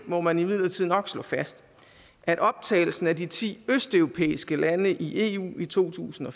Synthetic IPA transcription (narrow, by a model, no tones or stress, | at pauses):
mɒ̽mænimið̞̰ˠlɐt͡sʰið̰ˠnɒ̽ɡ̥slɔ̰̽ːfæsd̥ | ʔæɾ̥ɒ̽b̥̚t͡sʰɛ̰ɪl̩sn̩ædit͡sʰḭːøsd̥œʊʁo̝pʰḛːisɡ̥əlænəʔiʔe̝ṵːit͡sʰo̝̰ːt͡sʰṵːsn̩ɒ̽